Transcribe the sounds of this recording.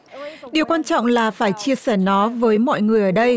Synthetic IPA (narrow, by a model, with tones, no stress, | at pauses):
ɗi˨˩əwkwaː˧nt͡ɕɔ̰˧˨wŋ͡mlaː˨˩faː˧˩jt͡ɕi˧əsɛː˧˩nɔ˨˦vəː˨˦jmɔ̰˧˨jŋɨ˨˩əjʔəː˧˩ɗə˧j